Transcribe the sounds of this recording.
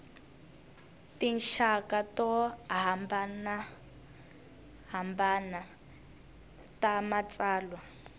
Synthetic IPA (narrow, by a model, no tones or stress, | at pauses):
tinʃakatɔɦambana | ɦambana | tamat͡saːlwa